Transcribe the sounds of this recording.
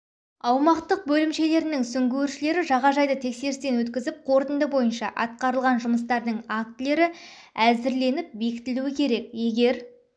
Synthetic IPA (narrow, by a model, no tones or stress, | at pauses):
ɑwmɑqt̪əq̚bɵlɪmʃe̞le̞ɾɪnɪŋsʏŋɡʲewɪɾʃɪle̞ɾɪʒɑʁɑʒɑjd̪ət̪ʰe̞kse̞ɾɪst̪e̞nwɵt̪kʲɪzɪp̚qʰo̞ɾt̪ənd̪əbo̞jənʃɑʔɑ̰t̪̚qɑɾəlˠʁɑnʒʊməst̪ɑɾd̪əɴak̚t̪le̞ɾɪ | æzɪɾle̞nɪp̚be̞kʲɪ̥t̪ɪluɪkʲʰe̞ɾe̞kje̞ɡʲe̞ɾ